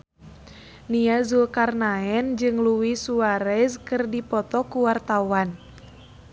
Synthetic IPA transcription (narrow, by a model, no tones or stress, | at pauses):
niazulkarnaɛnd͡ʒɨŋluwisuaɾɛzkɨrdipɔt̪ɔkuwart̪awan